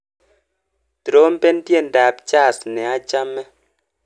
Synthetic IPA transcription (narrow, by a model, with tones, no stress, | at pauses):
te˨ɾo˨˦m̩˦pe˦n˦dje˦˨n̩˨da˨p̚t͡ʃa˦˨snɛ˨a˦t͡ʃa˦mːɛ˦